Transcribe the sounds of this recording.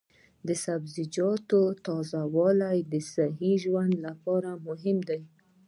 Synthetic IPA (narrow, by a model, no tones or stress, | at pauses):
d̪əsabzɪd͡ʒɑt̪ot̪ɑzawɑlajd̪əsaɦiʒwand̪lapɑɾamʊɦɪmd̪aj